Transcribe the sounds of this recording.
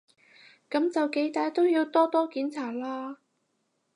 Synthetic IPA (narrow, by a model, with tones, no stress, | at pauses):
kɐ˨˥mt͡sɐ˨wke˨˥jt̪aː˨˧˥jt̪o˥wjiː˧wt̪ɔː˥t̪ɔː˥kiː˨˥nt͡sʰaː˨˩laː˥